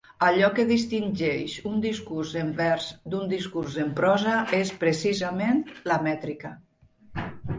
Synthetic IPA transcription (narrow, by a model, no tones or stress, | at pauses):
aʎɔkeðist̪inʲd͡ʒɛʃund̪iskuɾzembɛɾzd̪und̪iskuɾzempɾɔzaespɾesizamenlamɛt̪ɾika